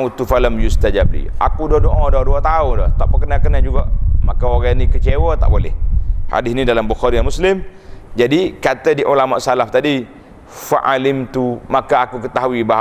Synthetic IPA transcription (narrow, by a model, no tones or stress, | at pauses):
ut̪ufalamjust̪ad͡ʒablḭʔa̰kudɔdoʔadɔduat̪aʊndɔ̰ht̪aʔpəkənakənad͡ʒuɡaʔmakaoɣanikət͡ʃewət̪a̰ʔbolɪ̰hha̰dɪsnidalambuxɔɾijamuslɪmd͡ʒadikat̪ədiʔulamaʔsalaht̪adi | faʔalɪmt̪umakaakukət̪aɦuibaɦ